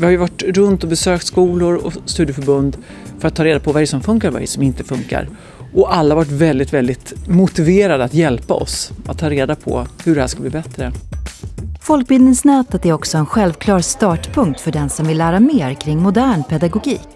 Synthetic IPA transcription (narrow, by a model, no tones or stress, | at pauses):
vɪhaɾjɵvaʈɾɵnt̪ɔbɛsøːkt̪skuːlʊɾɔst̪ʉ̟d̪jəfœɾbɵnd̪ | fœɾat̪ʰːɑːɾeːd̪apʰɔvaɾɛɾsɔmfɵŋkaɾvaɾɛ̰ɾəsɔmɪnt̪əfɵŋka̰ɾ | ʔɔʔalːahavaʈ̬ːvɛld̪ɪt̪vɛld̪ɪt̪mʊt̪ɪveːɾad̪əat̪jɛlpaɔ̰sat̪ʰːɑːɾeːd̪apʰɔ̰hɵɖɛhæːʂkalbliːbɛt̪ɾə | fɔlk̚bɪld̪nɪŋsnɛːt̪ət̪æɾɔksɔɛnɧɛlvkʰlɑːɾst̪ɑːʈpʰɵŋk̚t̪fœɖɛnsɔmvɪlːæːɾameːɾkʰɾɪŋːmʊd̪æːɳpʰɛd̪aɡʊɡiːk